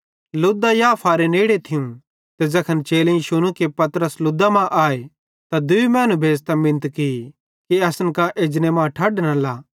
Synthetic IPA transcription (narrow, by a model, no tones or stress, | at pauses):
lʊd̪ajaːpʰaːɾeneːɽet̪ʰɪjũ | t̪ɛd͡ʒɐkʰənt͡ʃeːlẽĩʃʊnũkepɐt̪ɾəslʊd̪amãʔaːe | t̪ad̪ʊimɛːnũbʱeːst̪amɪ̃nt̪kɪi | kiɐsənkaʔeːd͡ʒnemãːʈʰɐɖnɐlaː